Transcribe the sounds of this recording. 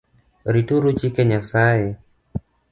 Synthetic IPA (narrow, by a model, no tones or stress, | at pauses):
ɾit̪uɾut͡ʃikɛɲak̚sae